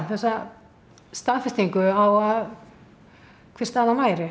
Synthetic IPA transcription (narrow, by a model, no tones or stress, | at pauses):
θɛsːa | st̪aːðfɛst̪iŋkʏawað | kʰvɪr̥st̪aːðamaːjɾɪ